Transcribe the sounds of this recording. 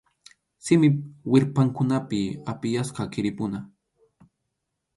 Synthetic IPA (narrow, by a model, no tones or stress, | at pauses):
sɪmɪwɪɾpaŋkʊnapɪapɪjasqɑkɪɾɪpʊna